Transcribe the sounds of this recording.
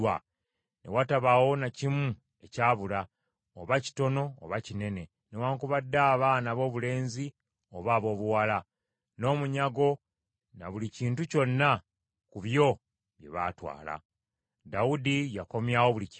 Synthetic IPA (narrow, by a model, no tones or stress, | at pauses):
wa | ne̞̰wataβawo̞nacimu | e̞caːβula | oβaci̥to̞no̞̰ːβacine̞ne̞ | newaːŋkuβadːaːβanaβo̞ːβule̞ːnzi | o̞βaːβo̞ːβuwala | no̞ːmuɲaɡo̞ | na̰βuliciːntuco̞nːa | kuβjo̞ | βje̞̰βa̰twa̰ːla̰ | daudijako̞mjawo̞βulic